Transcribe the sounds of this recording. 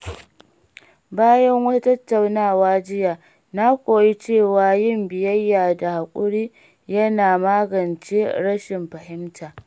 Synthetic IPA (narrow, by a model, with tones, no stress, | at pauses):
baː˦jɐ˦ŋwɐ˦tɐ˦tːa˨wnaː˦˨waː˦d͡ʒɪ˦jaː˨ | na˦kʷoː˨ji˦t͡ʃeː˦˨waː˨jɪ˦mbɪ˨jɐ˦jːaː˨da˨ha˨kʷʼʊ˦ɽiː˦ | jɐ˦naː˨maː˦ɡɐ˨nt͡ʃeː˦ɽɐ˦ʃɪ˨mɸɐ˨hɪ˦mtaː˨